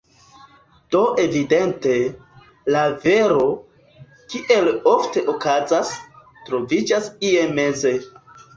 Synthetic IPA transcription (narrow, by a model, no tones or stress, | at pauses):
d̥o̞ʔe̞vide̞nte̞ | lave̞ɾo̞ | kiʔe̞lo̞fte̞ʔokazas | tɾo̞vid͡ʒasieme̞ze̞